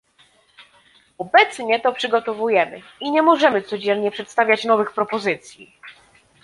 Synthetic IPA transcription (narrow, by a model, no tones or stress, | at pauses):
ɔbɛt̪sɲɛt̪ɔpʂɘɡɔt̪ɔvujɛmɘ̰ | iɲɛmɔʐɛmɘt̪sɔd͡ʑɛnɲɛpʂɛt̪st̪avʲjat͡ɕnɔvɘxpɾɔpɔzɘt̪sʲjḭ